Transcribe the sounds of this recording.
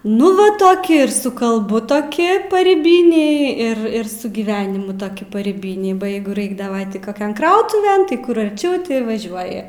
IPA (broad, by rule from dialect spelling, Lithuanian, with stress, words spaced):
ˈnʊ ʋɐ ˈtoːkʲɪ ɪr sʊ kɐlˠˈbʊ toːˈkʲɪ pɐrʲiːˈbʲɪnʲɛɪ ɪr ɪr sʊ ɡʲiːˈʋʲæːnʲɪmʊ toːˈkʲɪ pɐrʲiːˈbʲɪnʲɛɪ bɐ ˈjɛɪɡʊ ˈrɐɪɡdɐˈʋɐ ˈtʲɪ ˈkoːˈkʲɛn ˈkrɐʊtʊʋʲɛn tɐɪ ˈkʊr ɐrʲˈt͡ʃʲɛʊ ˈtʲɪ ʋɐˈʒʲuɔjɪ